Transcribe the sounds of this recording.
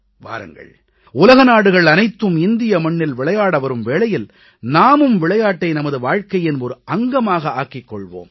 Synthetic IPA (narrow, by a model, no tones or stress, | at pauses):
ʋa̰ːɾɯ̰ŋɡɐ̰ɭ | ʊlɐɣɐnaːɽɯɣɐɭɐnɐɪt̪ːɯmɪnd̪ɪjɐmɐɳːɪlʋɪɭɐjaːɽɐʋɐɾɯmʋeːɭɐjɪl | naːmɯmʋɪɭɐjaːʈːɐɪnɐmɐðɯʋaːɻkɐjɪnɔɾɯʔɐŋɡɐmaːɣɐaːkɪkːɔɭʋo̰ːm